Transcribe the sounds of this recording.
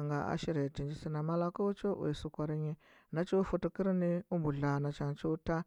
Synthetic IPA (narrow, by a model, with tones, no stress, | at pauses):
ŋɡa˨ʔa̰˦ʃi˦ɾe˨ti˨nd͡ʒi˨si˦na˨ma˦la˦ko˦t͡ʃo˦ʔṵ˨su˨kʷa˨ɾi˦ɲi˦ | na˦t͡ʃo˦fu˦tu˨ki˦ɾni˦u˦mbu˨ɮa˨na˨t͡ʃa˨nt͡ʃu˦ta˦